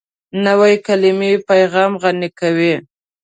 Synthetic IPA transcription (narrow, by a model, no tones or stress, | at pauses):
nawajkalɪmepajɣɑmɣanɪkawi